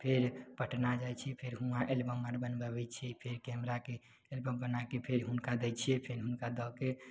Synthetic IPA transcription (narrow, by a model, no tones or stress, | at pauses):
pʰeɾpəʈʰnad͡ʒajt͡ʃʰipʰeɾɦũãʔelbəmːəɾbənbəbɛt͡ʃʰipʰeɾkɛmɾake | elbəmbənakepʰeɾɦunkad̪ɛt͡ʃʰijɛpʰeɾɦunkad̪ɔke